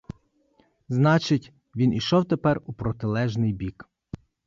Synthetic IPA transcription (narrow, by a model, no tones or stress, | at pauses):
znɑt͡ʃɪtʲ | ʋʲinʔiʃɔwt̪epɛrupɾɔt̪ɪlˠɛʒnɪjbʲik